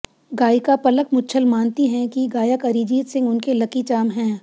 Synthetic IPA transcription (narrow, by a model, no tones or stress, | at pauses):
ɡaːikapɐləkmʊtːt͡ʃʰəlmaːnt̪iɦɛ̃kiɡaːjəkɐɾid͡ʒiːd̪sɪ̃ŋɡʊnkelɐkit͡ʃaːmɦɛ̃ː